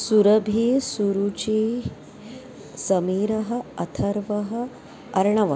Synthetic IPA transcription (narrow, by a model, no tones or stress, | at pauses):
suɾɐbʱisuɾut͡ʃi | sɐmiːɾɐɦɐ̆ɐt̪ʰɐɾʋɐɦə̆ | ɐɾɳɐʋɐ